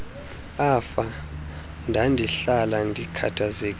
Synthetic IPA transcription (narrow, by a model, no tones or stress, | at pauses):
afa | ndʱandʱiɬalandʱikʰa̰tʰazek̬ʼ